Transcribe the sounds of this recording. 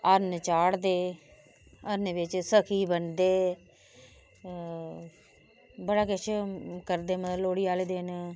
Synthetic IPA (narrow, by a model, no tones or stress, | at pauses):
əɾnt͡ʃaːɽd̪eː | əɾnebɪt͡ʃsəkʰiːbənd̪eː | bəɽaːkɪt͡ʃkəɾd̪eːmət̪loːɽiːaːleːd̪en